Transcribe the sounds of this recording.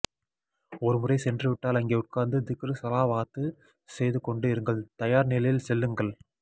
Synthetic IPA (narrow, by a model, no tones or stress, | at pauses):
ɔɾɯmʊrɐɪsɛndrɯʋɪʈːaːlɐŋɡeːʊʈ̚kaːnd̪ɯd̪ɪkːɯɾɯsɐlaːʋaːt̪ːɯ | sɛjðɯkɔɳɖɯɪɾɯŋɡɐɭt̪ɐjaːɾnɪlɐjɪlsɛlːɯŋɡɐɭ